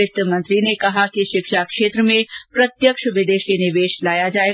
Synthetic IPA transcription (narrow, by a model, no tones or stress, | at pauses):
ɪt̪əmɐ̃nt̪ɾinekɐɦakiʃɪkʃakʃeːt̪ɾəmẽpɾɐt̪jəkʃʋɪd̪eːʃinɪʋeːʃlaːjad͡ʒaːeː